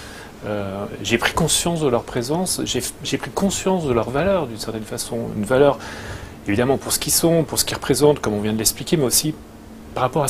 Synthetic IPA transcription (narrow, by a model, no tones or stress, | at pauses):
øʒepχi̥kɔ̃sjɑ̃sd̪əlœʁpχezɑ̃sʒeʒepχikɔ̃sjɑ̃sd̪əlœʁvalœʁd̪ynsɛʁt̪ɛnfasɔ̃y̰nvalœʁ | evid̪amɑ̃puʁsə̥kʲisɔ̃puʁsə̥kʲiʁə̥pχezɑ̃t̪kɔmɔ̃vjɛ̃d̪əlɛksplikʲemɛosi | paʁapɔʁa